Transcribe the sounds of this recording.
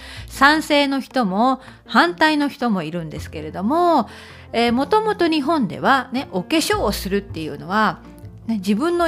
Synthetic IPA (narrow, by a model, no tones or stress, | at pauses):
sãɰ̃se̞ːno̞çi̥t̪o̞mo̞ | hãnt̪aino̞çi̥t̪o̞mo̞iɾɯ̟̃nd̪e̞sɨ̥ke̞ɾe̞d̪o̞mo̞ | eːmo̞t̪o̞mo̞t̪o̞ɲ̟iɦõ̞nd̪e̞̰β̞ane̞ʔoke̞ɕo̞ːsɨɾɯ̟t̪ːe̞jɯ̟̰ːno̞βa | ned͡ʑibɯ̟̃nːo